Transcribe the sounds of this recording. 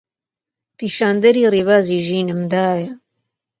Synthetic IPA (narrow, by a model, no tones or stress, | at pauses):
piːʃaːnd̪ɐɾiːriːβaːziːʒiːnɨmd̪aːjɐ